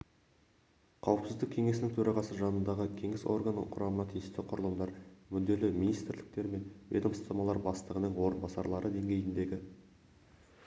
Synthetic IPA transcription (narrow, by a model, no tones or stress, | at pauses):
qʰɑwəpsɪzd̪ɪkʲʰe̞ŋe̞sɪnɪŋt̪ʰɵɾɑʁɑsəʒɑnənd̪ɑʁəkʲʰe̞ŋɪso̞̰rɡan̰qʰʊɾɑmənɑt̪ʰijɪst̪eqʰʊɾəlˠəmd̪ɑɾmʏld̪e̞lɪminijst̪ɾlɪk̚t̪e̞ɾme̞nvʲḛd̪əmst̪ɑmɑlˠɑɾbɑst̪əʁənəɴwo̞ɾənbɑsɑɾlˠɑɾəd̪e̞ŋɡʲe̞jɪnd̪e̞ɡʲɪ